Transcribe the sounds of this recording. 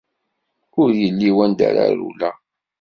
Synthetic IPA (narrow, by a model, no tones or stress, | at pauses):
ʊɾjəlːiwænd̪a̰ɾa̰ɾṵlæ